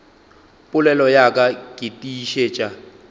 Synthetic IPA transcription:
pʼʊlɛlɔjakʼakʼitʼiʃeːt͡ʃʼa

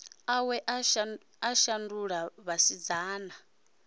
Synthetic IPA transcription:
awɛʔa | aʃanduɺaβasid͡zaːna

